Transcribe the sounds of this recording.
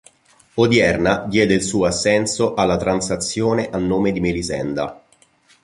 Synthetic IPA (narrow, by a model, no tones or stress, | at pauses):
od̪jɛrnad̪jɛːd̪eilsuːoasːɛnsoʔalːat̪ɾansat̪sːjoːneʔanːoːmed̪imelizɛ̰nd̪a̰